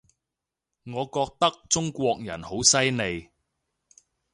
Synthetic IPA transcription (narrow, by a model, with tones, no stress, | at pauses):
ŋɔː˨˧kɔː˧k̚t̪ɐ˥k̚t͡sʊ˥ŋkʷɔː˧k̚jɐ̰˨˩nho˨˥wsɐ˥jne˨˧j